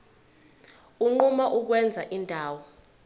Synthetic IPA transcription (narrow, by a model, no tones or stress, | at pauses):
uŋ͡ǃumaʔuk̬wɛnd͡zʱaʔindʱaːwɔ